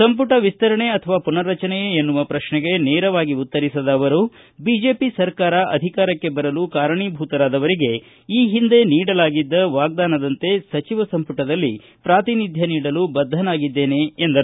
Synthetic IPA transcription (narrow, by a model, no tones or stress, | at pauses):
sɐmpuʈɐʋist̪ɐɾɐɳe̞ɐt̪ʰɐʋaːpunɐɾɐt͡ʃɐnɛjeenːuʋɐpɾɐʃɳɛɡe̞neːɾɐʋaːɡiut̪ːɐɾisɐd̪ɐːʋɐɾu | biːd͡ʒe̞ːpisɐɾkaːɾɐʔɐ̰d̪ʱikaːɾɐkːe̞bɐɾɐlukaːɾɐɳiːbʱuːt̪ɐɾaːd̪ɐʋɐɾiɡe̞ | iːɦind̪e̞niːɽɐlaːɡid̪ːɐʋaːɡ̚d̪aːnɐd̪ɐnt̪e̞sɐt͡ʃiʋɐsɐmpuʈɐd̪ɐlːi | pɾaːt̪inid̪ʱjɐniːɽɐlubɐd̪ʱːɐnaːɡid̪ːe̞ːne̞ːnd̪ɐɾ